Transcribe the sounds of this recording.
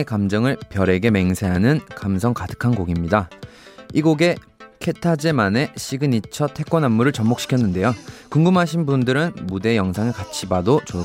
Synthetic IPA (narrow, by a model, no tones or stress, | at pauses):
ekamd͡ʑʌŋɯɭpjʌɾe̞ɡe̞me̞ŋsʰe̞ɦanɯnkamsʰʌŋkadɯ̥kʰanɡoɡimɲida | iɡoɡe̞ | kʰe̞tʰad͡ʑemane̞ɕʰiɡɯnit͡ɕʰʌtʰe̞k͈onamːuɾɯɭt͡ɕʌmok̚ɕ͈i̥kʰjʌnːɯnde̞jokɯŋɡumɦaɕ̬ʰinbundɯɾɯnmude̞jʌŋsʰaŋɯɭkat͡ɕʰibadot͡ɕo